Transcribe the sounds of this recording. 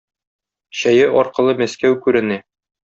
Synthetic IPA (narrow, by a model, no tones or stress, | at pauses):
ɕæjɘʔɒɾqɤ̆lˠɤmæskæwkʉɾɘ̆næ